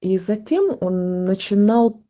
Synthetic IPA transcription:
izɐtʲemonːət͡ɕɪnɑlˠ

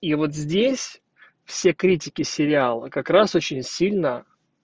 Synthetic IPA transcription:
ivo̞t̪zʲdʲesʲ | fsʲe̞kɾʲit̬ʲɪkʲɪsʲɪɾʲɪalˠəkɐkɾaso̞t͡ɕɪnʲsʲilʲnə

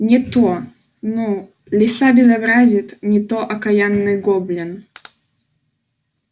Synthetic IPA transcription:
nʲɪt̪o | nu | lʲɪsabʲɪzɐbɾazʲɪt̪nʲɪt̪oʔɐkɐjanːɨjɡoblʲɪn

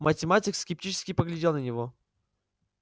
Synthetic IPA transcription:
mətʲɪmatʲɪkskʲɪp̚tʲit͡ɕɪ̥skʲɪpəɡlʲɪdʲelˠnənʲɪvo

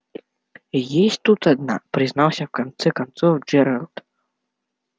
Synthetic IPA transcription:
jesʲt̪ut̪ad̪na̰pɾɨznawsʲɐwkant̪sɛkant̪sɔwd͡ʒɛɾalˠt̪

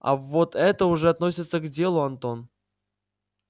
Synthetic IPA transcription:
a̰vot̪ɛt̪əuʐɛat̪no̞sʲɪt̪səɡdʲe̞lˠʊant̪o̞n

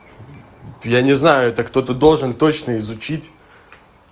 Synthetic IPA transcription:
janʲɪznajʊɛt̪əkt̪o̞t̪əd̪o̞lˠʐɨnt̪o̞t͡ɕnəɪzʊt͡ɕitʲ

